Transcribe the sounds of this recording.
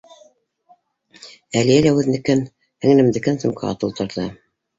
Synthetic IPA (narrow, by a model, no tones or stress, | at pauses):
ælijælæwʉðnɘ̆kɘn | hɘ̆ŋnɘ̆md̪ɘ̆kɘnsɤ̆mkɑɑ̰t̪ɤ̆lˠt̪ɤ̆ɾðɤ